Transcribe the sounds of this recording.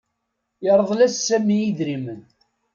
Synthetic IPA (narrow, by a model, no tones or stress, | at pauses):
jəɾˤðˤlæssːæmijiðɾimən